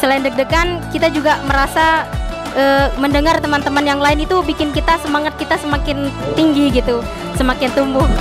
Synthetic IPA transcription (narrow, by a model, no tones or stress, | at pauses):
səlaɪndək̚dəkankit̪ad͡ʒuɡaməɾasa | ʔəːməndəŋart̪əmant̪əmanjaŋlaɪnit̪ubikɪnkit̪asəmaŋat̪̚kit̪asəmakɪnt̪iŋɡiɡit̪u | səmakɪnt̪umbʊh